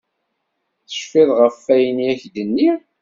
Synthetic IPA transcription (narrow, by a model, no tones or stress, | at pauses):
θə̥ʃfɪðˤʁəfːæjəniæçd̪ənːi